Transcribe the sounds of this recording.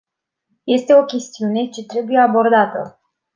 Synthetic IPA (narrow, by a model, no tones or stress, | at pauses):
je̞st̪e̞o̞kʲe̞st̪iune̞t͡ʃe̞t̪ɾe̞buje̞abo̞rd̪at̪ə̰